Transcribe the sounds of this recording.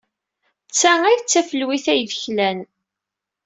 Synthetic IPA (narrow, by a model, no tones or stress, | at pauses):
t͡sːæŋæjt͡sːæfəlwiθæjðəçlæn